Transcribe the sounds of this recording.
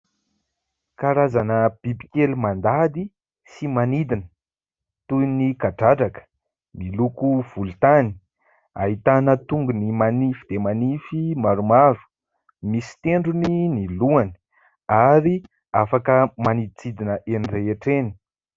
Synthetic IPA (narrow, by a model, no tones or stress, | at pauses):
kaɾazanəb̥ibi̥kelumand̪ad̪i | simanid̪inə̥ | t̪ujnikaɖ͡ʐaʈ͡ʂakə̥ | milukuv̥ult̪ani̥ | a̰ɦit̪anət̪uŋɡunimanifid̪emanifimaɾumaɾu̥ | misi̥t̪eɳɖ͡ʐuniniluani̥ | aɾi | afakəmanid̪t͡sid̪inəʔenireeʈ͡ʂeni̥